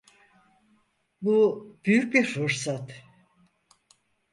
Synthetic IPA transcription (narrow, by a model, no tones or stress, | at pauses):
bub̥yjyc̚biɾfuɾsat̪